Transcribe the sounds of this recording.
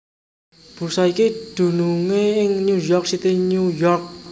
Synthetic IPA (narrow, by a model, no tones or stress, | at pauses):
b̥ṳsɔikid̪̥ṳnuŋeɪŋɲujɔrk̚sit̪iɲujɔrk̚